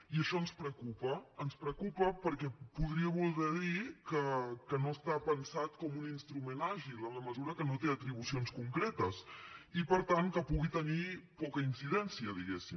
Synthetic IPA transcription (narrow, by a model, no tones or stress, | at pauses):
iəʃɔənspɾəkupəːnspɾəkupəpəɾkɛpuðɾiəβulˠɣɛðikəkənoəst̪apənsat̪kɔmuninst̪ɾumenaʒilˠənləməzuɾəkənot̪eət̪ɾiβ̞usionskuŋkɾet̪əsipəɾt̪aŋkəpuɣit̪ənipɔkəinsiðɛnsiəðiɣɛsim